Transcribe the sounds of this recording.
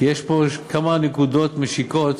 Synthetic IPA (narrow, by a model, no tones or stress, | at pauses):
jeʃpokɐmanɪkuːd̪oːt̪mɪʃikoːt̪